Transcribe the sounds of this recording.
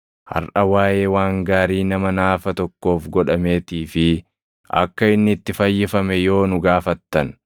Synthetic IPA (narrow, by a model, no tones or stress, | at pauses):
hɐ̰ɾʔɐwaːje̞ːwaːŋɡaːɾiːnɐmɐnaːfɐt̪ɔkːo̞ːfɡɔᶑɐme̞ːt̪iːfɪ | ʔɐ̰kːɐɪnːɪt̪ːɪfɐjːɪfɐmɛjo̞ːnʊɡaːfɐt̪ːɐn